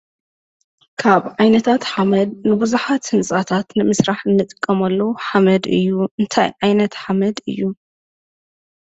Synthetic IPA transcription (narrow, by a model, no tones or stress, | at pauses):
kʰaβʕajnɐt̪ʰat̪ħamɐd̪̚nɨbuzuħat̪hɨnsʼat̪ʰat̪nɨmɨsɾaħɨnːɨt̪ʼɨkʼːɐmɐlːɐwħamɐd̪ɨ̰jːuɨnt̪ʰa̰jʕajnɐt̪ħamɐd̪ɨ̰jːu